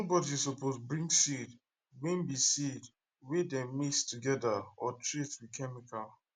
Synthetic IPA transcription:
bɔdisɔposbɹĩŋɡsid | wĩnbisid | wedɛ̃mistuɡɛdaɔtɹitswiðkʰɛmikal

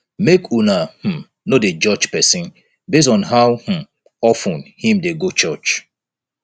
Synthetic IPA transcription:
mekunahm̩ | noded͡ʒɔd͡ʒpɛsĩn | bes̬tɔ̃nɦawh̩ | ɔfũnhĩmdeɡot͡ʃɔt͡ʃ

